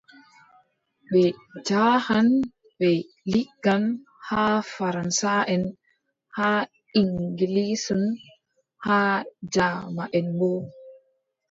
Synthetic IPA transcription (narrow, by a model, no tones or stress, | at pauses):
ɓɛd͡ʒaːhan | ɓɛ | liɡːan | hafaɾansaʔɛn | ha | iŋɡilisun | haːd͡ʒamaʔɛnbɔ